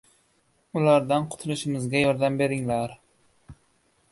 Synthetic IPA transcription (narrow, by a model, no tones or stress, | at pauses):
ʊlaɾd̪anqʰʊ̥t̪ʰʊlɪʃɪmɪzɡʲajɒɾd̪ambe̞ɾɪŋlaɾ